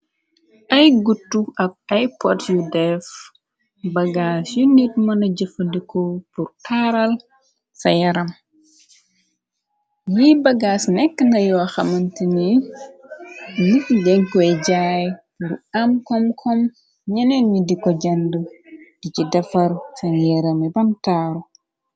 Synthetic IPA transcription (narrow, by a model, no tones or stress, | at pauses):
ʔɐjɡutːuʔɐb̚ajpɔtjudɛf | bɐɡasjunit̚mɐnɐɟəfɐdikɔpurkʰaːɾɐl | sɐjɐɾɐm | jiːbɐɡaːsnɛkːənɐjɔxɐmɐntini | nitdɛŋkɔɛɟaj | ɾuamkɔmkʰɔm | ɲɐnɛnːidikɔɟɐndəd̥icidɛfɐɾsɐɲjɛɾɐmibɐmtaːɾu